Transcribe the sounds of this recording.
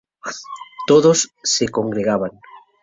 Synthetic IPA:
t̪oðosːekoŋɡɾeɣaβaŋ

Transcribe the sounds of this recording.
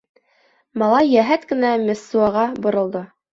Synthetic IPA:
mɑlˠɑjːæɦæt̪kɘ̆næmʲɘ̆sːuɑʁɑbŏɾɤ̆lˠd̪ɤ

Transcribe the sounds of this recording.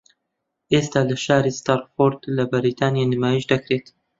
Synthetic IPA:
ʔeːst̪aːlɐʃaːɾist̪aːɾfoɾd̪lɐbɪɾit̪ʰaːnjanimaːjiʃd̪ɐkɾet̪

